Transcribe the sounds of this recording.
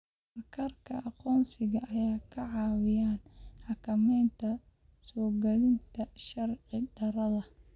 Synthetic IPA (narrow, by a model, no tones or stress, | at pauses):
ɐrkʰɐrkʰɐʔɑqɔːnsɪɣɐʔɐjaːkʰɐʕɑːwɪjaːnħɑkʰɐmɛːnt̪ʰɐ | sɔːɡɐlɪnt̪ʰɐʃɐrʕɪɖɐɾɐðɐ